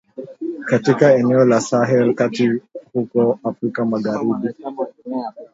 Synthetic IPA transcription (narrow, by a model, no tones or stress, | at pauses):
katikaenɛɔlasaɦɛlkatihukɔafɾikamaɡaɾibi